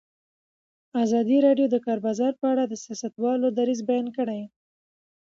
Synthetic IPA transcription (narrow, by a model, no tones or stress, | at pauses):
azɑd̪iɾɑɖjod̪əkɑɾbɑzɑɾpəaɽad̪əsjɑsat̪wɑlod̪aɾizbajɑnkəɽaj